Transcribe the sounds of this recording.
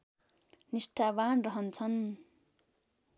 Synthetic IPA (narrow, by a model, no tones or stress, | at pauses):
nisʈʰabanrʌɦʌnt͡sʰʌn